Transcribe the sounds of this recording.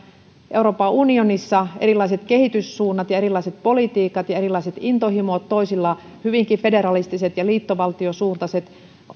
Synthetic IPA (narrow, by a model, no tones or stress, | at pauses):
ʔe̞uɾoːpɑʔunionisːɑʔeɾilːˑɑiset̪ke̞ɦit̪ysːuːnːɑt̪jɑeɾilɑiset̪̚po̞lit̪iːkɑt̪jɑeɾilːˑɑiset̪int̪ohimot̪tːoisilːɑ | hyʋiŋkife̞de̞ɾɑlist̪iset̪jɑliːt̪ːoʋɑlt̪iosuːrt̪ɑset̪